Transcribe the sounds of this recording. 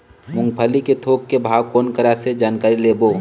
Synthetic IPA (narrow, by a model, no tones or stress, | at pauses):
mʊ̃ŋɡpʰəliket̪ʰoːkːebʱaːwkoːnkəɾased͡ʒaːnkaːɾileːboː